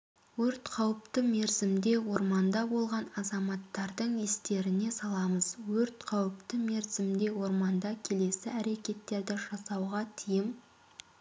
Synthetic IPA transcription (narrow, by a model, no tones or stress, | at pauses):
wɵɾt̪qʰɑwəp̚t̪əme̞ɾzɪmd̪e̞wo̞ɾmɑnd̪ɑbo̞lˠʁɑnɑzɑmɑt̪ːɑɾd̪əɴɪst̪e̞ɾɪne̞sɑlˠɑməz̥wɵɾt̪qʰɑwəp̚t̪əme̞ɾzɪmd̪e̞wo̞ɾmɑnd̪ɑkʲʰe̞le̞sɪæɾe̞kʲe̞t̪ːe̞ɾd̪ɪʒɑsɑwʁɑt̪ʰijɪm